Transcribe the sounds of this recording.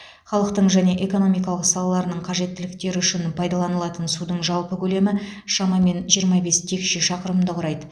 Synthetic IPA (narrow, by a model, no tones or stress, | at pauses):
χɑlˠəq̚t̪əɴʒæne̞ʔe̞ko̞no̞mijkɑlˠəqsɑlˠɑlˠɑɾənəɴqʰɑʒe̞t̪ːɪlɪkt̪e̞ɾɪʏʃɪnpʰɑjd̪ɑlˠɑnəlˠɑt̪ənsud̪əɴʒɑlˠpəkʲʰɵle̞mɪ | ʃɑmɑme̞nʒijəɾmɑbe̞st̪ʰe̞kʃɪʃɑqəɾəmd̪əqʰʊɾɑjd̪ə